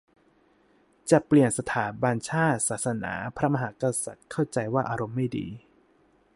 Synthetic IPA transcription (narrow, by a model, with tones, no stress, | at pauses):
t͡ɕa˨˩pli˨˩ənsa˧t̪ʰaː˩˦ba˧nt͡ɕʰaː˥˩t̪̚saː˨˩t̪̚sa˧na̰ː˩˦pʰɾa˦˥ma˧ɦaː˩˦˥ka˧sa˨˩t̪̚kʰa˥˩wt͡ɕa˧jwaː˥˩ʔaː˧ɾo˧mːa˥˩jdḭː˧